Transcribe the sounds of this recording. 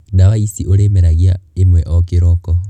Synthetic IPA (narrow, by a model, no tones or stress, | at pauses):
nawaisioɾemeɾaɣiaemwɛʔɔkeɾɔkɔ